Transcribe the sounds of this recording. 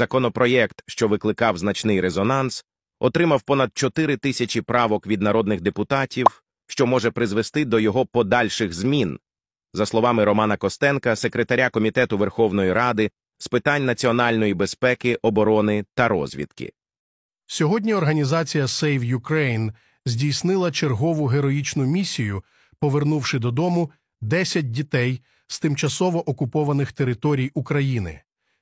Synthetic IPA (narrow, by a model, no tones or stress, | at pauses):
z̥ɐkɔnɔpɾɔjɛkt̪ʃt͡ʃɔʋɪklˠɪkɑwznɐt͡ʃnɪjɾezɔnɑns | ɔt̪ɾɪmɐwpɔnɐd̪̚t͡ʃɔt̪ɪɾɪt̪ɪsʲɐt͡ʃʲipɾɑʋɔkʋʲid̪nɐɾɔd̪nɪɣd̪epʊt̪ɑtʲiw | ʃt͡ʃɔmɔʒɛpɾɪzʋest̪ɪd̪ɔjɔɦɔpɔd̪ɑlʲʃɪɣzmʲin | zɐslˠɔʋɑmɪɾɔmɑnɐkɔst̪ɛnkɐsekɾet̪ɐɾʲakɔmʲit̪ɛt̪ʊʋerxɔwn̪ɔjiɾɑd̪ɪ | spɪt̪anʲnɐt͡sʲiɔnɑlʲnɔjibespɛkɪʔɔbɔɾɔnɪt̪ɐɾɔ̰zʲʋʲḭd̪kɪ̰ | sʲɔɦɔdʲnʲiɔrɦɐnʲizɑt͡sʲijɐsɛjwjʊkɾɛjn | zʲdʲijsnɪlˠɐt͡ʃerɦɔʋʊɦeɾɔjit͡ʃnʊmʲisʲijʊ | pɔʋernuwʃɪd̪ɔd̪ɔmʊ | d̪ɛsʲɐt̚ʲdʲit̪ɛj | z̥t̪ɪmt͡ʃɐsɔʋɔʔɔkʊpɔʋɐnɪxt̪e̞ɾɪt̪ɔɾʲijukɾɐjinɪ̰